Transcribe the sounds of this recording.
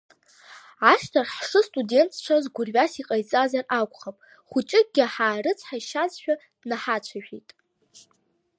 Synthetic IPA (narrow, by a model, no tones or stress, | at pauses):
ʕaʂtʰarħʂɨstʼude̞ntʰt͡ʃʷʰazɡʷʊrɥasiqʼajt͡sʼazarakʷʼχapʼ | χʷut͡ʃʼɪk̚ʼɡʲɪħaːrɨt͡sʷʰħaiʃazʃᶣḁ | naħat͡ɕʷʰaʒᶣijtʼ